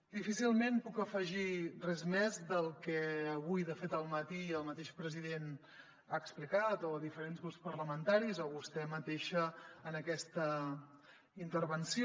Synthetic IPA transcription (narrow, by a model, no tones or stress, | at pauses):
d̪ifisilˠmenpukəfəʒirɛzmɛzðəlˠkɛəβujðəfet̪əlˠmət̪iəlˠmət̪eʃpɾəziðen | aəksplikat̪ɔəðifəɾenzɣɾuspərləmənt̪aɾizɔβust̪ɛmət̪eʃəːnəkɛst̪ə | int̪əɾβənsio